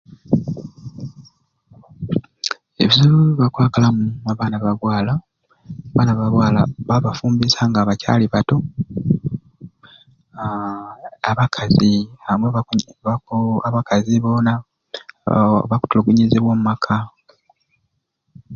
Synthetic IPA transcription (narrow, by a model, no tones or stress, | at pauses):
e̞̰βizuluβakwaːkalamuaβaːnaβaβwaːla | aβaːnaβaβwaːla̰βaβafuːmbisaŋɡaːβaca̰liβato̞ | aβakʰaziamweβaaβakaziβo̞na | βaku̥tuluɡuɲiziβwoːmumakʰa